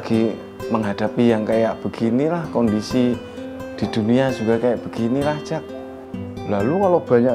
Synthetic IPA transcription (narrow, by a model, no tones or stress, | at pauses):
ɡ̥i | məŋɦad̥a̤pijaŋkajaʔb̥ə̤ɡ̥inilahkɔndisi | d̥i̤d̪̥uniad͡ʒ̥uɡakajaʔb̥ə̤ɡ̥inilaht͡ʃak̚ | lalukalob̥a̤ɲaʔ